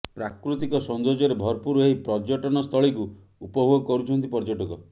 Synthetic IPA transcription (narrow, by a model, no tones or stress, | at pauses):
pɾakɾut̪ikɔsɔnd̪od͡ʒɔɾebʱɔɾpuɾuɦeɦipɾɔd͡ʒɔʈɔnɔst̪ʰɔɭiku | upɔbʱoɡɔkɔɾut͡ʃʰɔnt̪ipɔɾd͡ʒɔʈɔkɔ